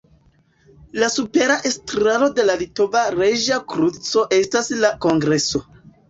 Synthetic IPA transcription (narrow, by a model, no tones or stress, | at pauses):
lasupe̞ɾaʔestɾalo̞de̞lalito̞vaɾeʒakɾut͡so̞ʔe̞staslako̞ŋɡɾe̞so̞